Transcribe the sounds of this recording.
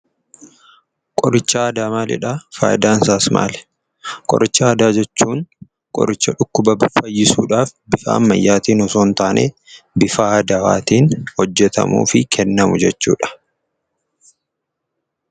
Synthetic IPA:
kʼɔɾɪt͡ʃːɐːd̪aːmaːlɪ̰ᶑaːfa̰ːjɪd̪aːnsaːsmʔa̰ːlɛ̥ | kʼɔ̰ɾɪt͡ʃːɐːd̪aːd͡ʒɛt͡ʃːuːŋ | kʼɔ̰ɾɪt͡ʃːɐᶑʊkːʊbɐbɪfɐjːɪsṵːᶑaːfbɪfa̰ːmːɐjːaːt̪iːnɔsoːnt̪aːnʔḛː | bɪfaːd̪ɐwa̰ːt̪iːnhɔd͡ʒːɛt̪ɐ̰mṵːfɪkʰɛnːɐmʊd͡ʒɛt͡ʃːṵːᶑɐ̥

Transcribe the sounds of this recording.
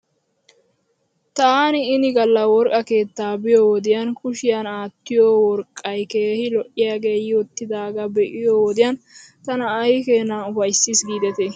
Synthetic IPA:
t̪aːnɪɪnɪɡɐlːɐwɔɾkʼɐke̞ːt̪ːaːbɪjowɔd̪ɪjɐnkʊʃɪjanaːt̪ːɪjoːwɔɾkʼːɐjke̞ːhɪlɔʔɪjaːɡe̞ːjoːt̪ːɪd̪aːɡɐbɛʔɪjoːwɔd̪ɪjɐnt̪ɐnɐːjkeːnaʊfɐjsːisɡiːd̪ɛt̪e

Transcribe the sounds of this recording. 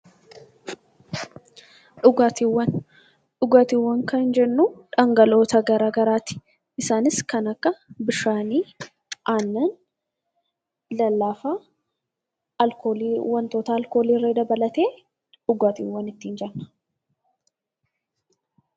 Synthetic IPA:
ᶑʊɡaːt̪iwːɐn | ᶑʊɡaːt̪iwːɐŋkɐɪnd͡ʒɛnːuᶑɐŋɡɐlo̞ːt̪ɐɡɐɾaːɡɐɾaːt̪ɪ̥ | ɪsaːnɪskɐnɐkːɐbɪʃaːniː | ʔaːnːɐn | lɐlːaːfɐ | lkoːliwɐnt̪o̞ːt̪ɐːlko̞ːliːɾed̪ɐbɐlɐt̪e̞ː | ᶑʊɡaːt̪ḭːwːɐnɪt̪ːiːnd͡ʒɛnːɐ̥

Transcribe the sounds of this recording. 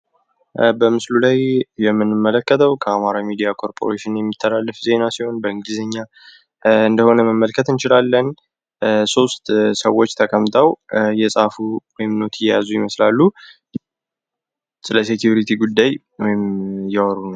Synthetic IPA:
bəmɨslulajjɛmːɨnːɨmːələkːət̪ʰəwkʰəamaɾamid̪ijakʰo̞ɾpʰo̞ɾeʃɪnjɛmːit̪ʰːəlalːəfze̞nasiho̞nbəɨŋɡizəɲːa | ɨnd̪əho̞nəməmːəlkʰət̪ɨnt͡ʃɪlalːən | so̞st̪səwːo̞t͡ʃːt̪ʰəkʰʼəmt̪ʰʼəwjɛsʼafuwɔjɪmno̞t̪ʰɪjɛjazujɪməslalːu | sləsekʰjuɾit̪ʰiɡud̪ːaj | wɔjɪmjɛwɔɾunəw

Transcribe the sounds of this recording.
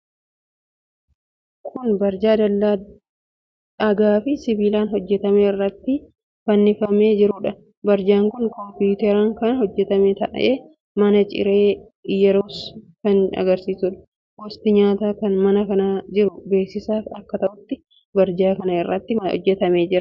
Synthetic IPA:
kʰʊnbɐɾd͡ʒaːd̪ɐlːa | ɐɡaːfɪsɪbiːlaːnhɔd͡ʒːɛt̪ɐmeːɪrːɐt̪ːɪ | fɐnːɪfɐmeːd͡ʒɪɾʊᶑɐ | bɐɾd͡ʒaːŋkʊnkɔmpʊt̪ɛɾaːŋkɐnɐhɔd͡ʒːɛt̪ɐmɛt̪ɐʔʔeː | mɐnɐt͡ʃʼɪ̰ɾe̞ː | jɛɾoːskɐnɐ̰ɡɐɾsiːsʊᶑɐ̥ | ɡɔst̪ɪɲaːt̪aːkɐnmɐnɐkɐnad͡ʒɪɾʊbe̞ːksɪsaːfɐkːɐt̪ɐʔʊt̪ːɪ | bɐɾd͡ʒaːkɐnɐɪrːɐt̪ːɪɔ̰d͡ʒːɛt̪ɐmeːd͡ʒɪɾɐ

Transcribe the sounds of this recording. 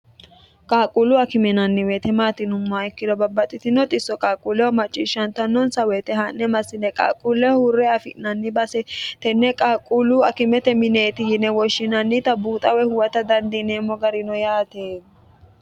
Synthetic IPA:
kʼaːkʼulʊɐkɪmɛnɐnːɪwet̪ɛmaːt̪ɪnʊmːɔɪkːɪd̪ɔbɐbːɐt̪ʼːɪt̪ɪnɔt̪ʼɪsːɔkʼaːkʼulɛwɔmɐt͡ʃʼːḭːʃːɐnt̪ɐnːɔnsɐwɛt̪ɛɦɐnːɛmɐsːɪnɛkʼa̰ːkʼulːɛhʊɾːɛɐfɪʔnɐnːɪbɐsɛt̪ɛnːɛkʼaːkʼulʊɐkɪmɛt̪ɛmɪneːt̪ɪhɪnːɛwɔʃːɪnɐnːɪt̪ɐbuːt̪ʼɐwɛhʊwɐt̪ɐd̪ɐnd̪ɪneːmːɔɡɐɾɪnɔjaːt̪eː

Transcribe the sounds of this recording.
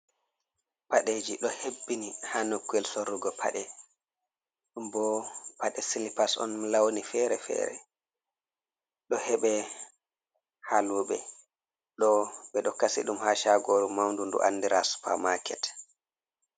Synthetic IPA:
paɗeːd͡ʒiɗɔhebːinihanokːuɛlsoɾːuɡɔpʰa̰ɗɛ | ɗumbɔpaɗɛsilipasɔ̰nlawnifɛɾɛfɛ̰ːɾɛ̰ | ɗɔhɛɓɛ | haluɓɛ | ɗɔɓɛɗɔkasḭɗumhaʃaɡoɾumawndundṵʔa̰nːdiɾaspa̰makʰɛt

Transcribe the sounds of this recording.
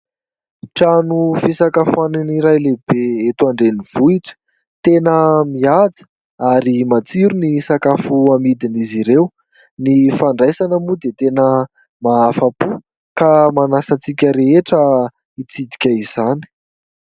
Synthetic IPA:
ʈ͡ʂanufisakafaniniɾajlebeet̪uaɳɖ͡ʐeniv̥uiʈ͡ʂə̥ | t̪enəmiad͡zə̥ | aɾimat͡siɾunisakafuamid̪iniziɾew | nifaɳɖ͡ʐajsanəmud̪et̪enə | maafapu | kamanasat͡sikʲəɾeeʈ͡ʂə | it͡sid̪i̥kʲəizani̥

